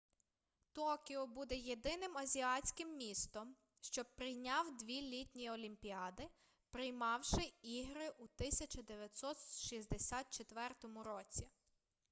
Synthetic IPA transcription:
t̪ɔkʲɪɔbud̪ɛjed̪ɪnɪmɐzʲiɑt͡sʲkɪmːʲist̪ɔm | ʃt͡ʃɔbpɾɪjnʲɑwd̪ʋʲilʲitʲnʲiɔlʲimʲpʲiɑd̪ɪ | pɾɪjmɑwʃɪiɦɾɪʔut̪ɪsʲɐt͡ʃɐd̪eʋʲjɐt̪ʲsɔt̪ʃizʲd̪esʲɑt̪̚t͡ʃet̪ʋɛrt̪ɔmʊɾɔt͡sʲi

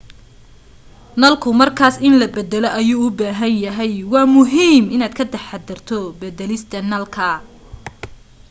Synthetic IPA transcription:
nɐlkʰʊmɐrkʰaːsɪnlɐbɛd̪ɛlɔʔɐjuːʊbaːɦɐnjɐɦɛjwɑːmʊɦiːmɪnaːd̪kʰɐd̪ɐħad̪ɐrt̪ʰɔbɛd̪ɛlɪst̪ʰɐnɐlkʰɐ

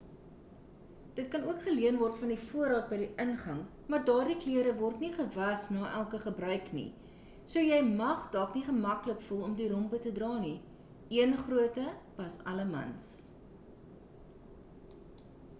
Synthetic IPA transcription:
d̥ət̚kɐnuəkχəliənvɔrtfɐndifuəɾɑːt̚bɛjdiʔənχɐŋ | mɑːrdɑːrdikliəɾəvɔrtniχəvɐsnɑːʔælˠkəχəbrœɥknḭ | suəjɛjmɐχdɑːkniχəmɐkləkfulˠɔmdiɾɔmpətədrɑːni | iənχruətəb̥ɐsɐ̰ləmɐ̰ns

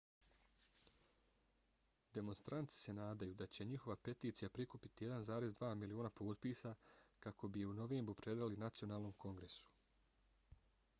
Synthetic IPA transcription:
d̪e̞mo̞nst̪ɾʔant̪si̥se̞naːd̪ajud̪at͡ɕe̞ɲixo̞ʋape̞t̪iːt̪sijapɾikupit̪ije̞d̪anzaːɾe̞zd̪ʋaːmilioːnapoːt̪piːsakakʰo̞bijeuno̞ʋe̞ːmbɾupɾe̞d̪ɾalinat̪sio̞naːlˠno̞mko̞ŋɡɾe̞su̥

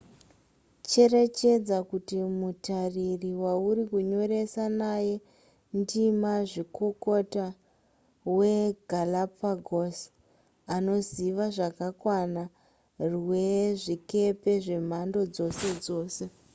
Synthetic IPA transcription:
t͡ʃe̞re̞t͡ʃe̞d͡zakutimutaririwaurikuɲo̞ɾe̞sanaje̞ | ndimaʐiko̞ko̞ta | we̞ɡʱalapaɡʱos | ano̞ziʋaʐakakwana | rwe̞ʐike̞pe̞ʐe̞m̤ando̞d͡zo̞se̞d͡zo̞ːse̞

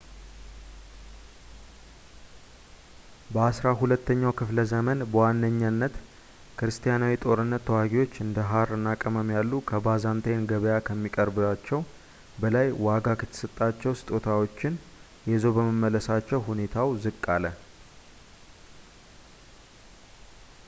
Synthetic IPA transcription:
bəasɾaɦulət̪ːəɲːawkʰɨfləzəmənbəwanːəɲːanːət̪ | kɾɨst̪ʰijanawit̪ʼo̞ɾɨnːət̪ʰːəwaɡiwo̞t͡ʃːɨnd̪əɦaɾɨnakʼəməmjalːukʰəbazant̪ʰejnɡəβəjakʰəmːikʼəɾbɨβat͡ʃːɛw | bəlajwaɡakʰɨt̪ʰːə̥sɨt̪ʼːat͡ʃːɛwsɨ̥t̪ʼot̪ʰawo̞t͡ʃːɪn | jɛzo̞bəməmːələsat͡ʃːɛwɦune̞t̪ʰawzɨkʼːalə

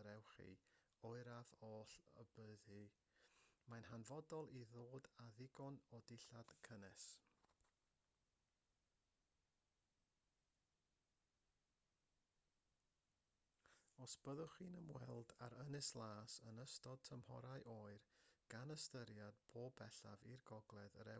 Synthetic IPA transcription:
ɾɛwχḭ | oɨɾaðoːɬə̰bəðɨ | manɦanvɔdɔlˠiðoːdaðɪɡɔnɔdɪɬad̥kʰənɛs | ɔsb̥əðʊχiːnəmwɛ̰lˠdaɾənɪslˠaːsənəstɔd̚tʰəmhɔ̰ɾaɨʔoːɨrɡ̥anəstəɾjad̥̚pʰoːbɛɬavirɡɔɡlˠɛðəɾɛ

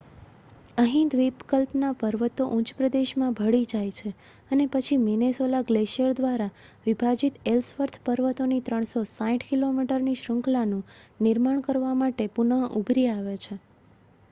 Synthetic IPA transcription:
əɦĩnd̪ʋipkəlpnapəɾʋət̪oʔut͡ʃpɾəd̪eʃmãbʱəɽid͡ʒajt͡ʃʰe | ənepət͡ʃʰiminesolaɡleʃijəɾd̪ʋaɾaʋibʱad͡ʒit̪elsʋəɾt̪ʰpəɾʋət̪onit̪ɾəɳ̃sosãĩʈʰkilomiʈəɾniʃɾəŋklanũnɪɾmaɳ̃kəɾʋamaʈepunəʔubʱɾiaʋet͡ʃʰe

